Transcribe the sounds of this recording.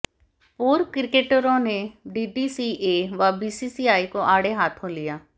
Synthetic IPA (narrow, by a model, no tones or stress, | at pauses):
poːɾkɪɾkeːʈəɾõːneːɖiːɖiːsiːʔeːʋaːbiːsiːsiːaːiːkõːʔaːɽeːɦaːt̪ʰɦõːlɪjaː